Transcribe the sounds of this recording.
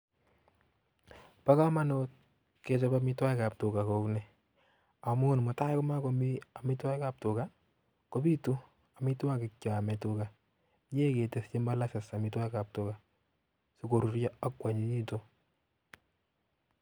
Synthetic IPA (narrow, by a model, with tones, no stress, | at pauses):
pa˦ka˦ma˦no˦t̚ | ke˨t͡ʃɔ˦bamɪ˦twa˦jka˨p̚tʊ˨ka˨kɔ˨knɛ | a˨mun˨mo˨ta˦kɔ˦ma˦kɔ˦mi˦a˨mɪ˦twa˦jka˨p̚tʊ˨ka˦ | ko˦bi˦tu˦ | a˨mi˦ta˦kɪ˨kt͡ʃːa˨mɛ˨tʊ˨ka˨ | ɲe˦ke˨te˨st͡ʃe˦mba˦la˦sɪ˨sa˨mɪtwa˦jka˨p̚tʊ˨ka˨ | su˦ko˨ɾu˨ɾja˦a˦kwa˨ɲi˦ɲi˦to˦